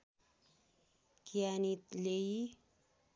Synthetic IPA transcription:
kijanit̪lei

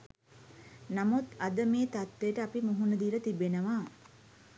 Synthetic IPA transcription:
namut̪ad̪əmeːt̪at̪ʋejəʈəapimuɦunəd̪iːlət̪ibenəʋa

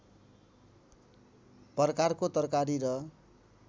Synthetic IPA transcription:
pʌrkarkot̪ʌrkaɾiɾʌ

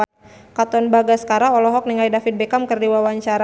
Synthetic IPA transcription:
kat̪ɔnbaɡasə̥kaɾaɔlɔɦɔk̚niŋajdafit̪̚bekamkərdiwawaɲt͡ʃaɾa

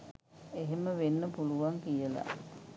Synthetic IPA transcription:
eɦeməʋenːəpuluʋaŋkijəla̰

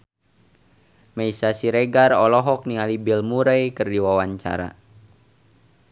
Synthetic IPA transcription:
mɛisasiɾeɡarɔlɔɦɔk̚nialibilmuɾɛjkɨrdiwawaɲt͡ʃa̰ɾa̰

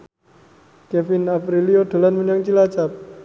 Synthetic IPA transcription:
kɛfinapɾilioɖ̥o̤lanməɲaŋt͡ʃilat͡ʃap̚

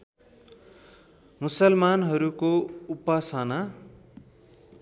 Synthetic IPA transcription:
musʌlmanɦʌɾukoupasana

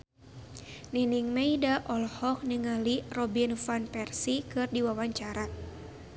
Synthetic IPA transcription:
niniŋmeidaʔɔlhɔk̚niŋalirɔbinfanpɛrsikɨrdiwawaɲt͡ʃaɾa

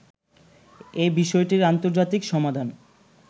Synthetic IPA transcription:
ebiʃɔeʈiɾant̪oɾd͡ʑat̪ikʃɔmad̪ʱan

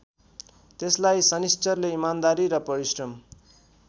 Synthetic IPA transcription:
t̪eslajsʌnist͡sʌrleimand̪aɾiɾʌpʌɾisrʌm

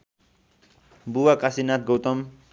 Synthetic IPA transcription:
buwakasinat̪̚ɡowt̪ʌm

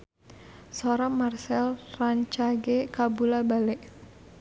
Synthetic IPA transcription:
sɔɾamarsɛlraɲt͡ʃaɡekabulabalɛʔ

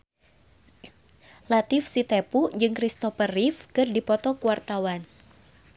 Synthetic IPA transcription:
lat̪ifsit̪ɛpud͡ʒɨŋkɾist̪ɔfərifkɨrdipɔt̪ɔkuwart̪awan

